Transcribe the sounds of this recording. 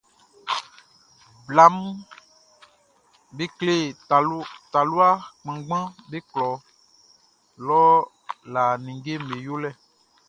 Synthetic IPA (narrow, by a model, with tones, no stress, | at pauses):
bla˦m˦ | be˦kle˦˨˦ | t̪a˨lu˦a˦k͡pã˨ɡ͡bã˦be˦klɔ˨ | lɔ˦ | la˨nĩ˨ŋɡe˦m̩˨e˨jo˦lɛ˦